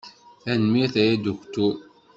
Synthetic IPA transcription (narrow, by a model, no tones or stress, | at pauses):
θænmiθæjæd̪uçt̪u